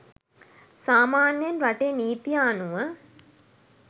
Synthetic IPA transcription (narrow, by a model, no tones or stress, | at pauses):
saːmaːnjənɾaʈejniːt̪ijaːnuʋə